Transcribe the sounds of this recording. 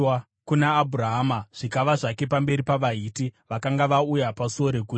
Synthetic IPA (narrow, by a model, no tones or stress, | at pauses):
kunaːbʱuraɦamaʐ̥ikaʋaʐake̞p̬ambe̞ɾipaʋaiːtiʋakaŋɡaʋaujapasuoɾekuːti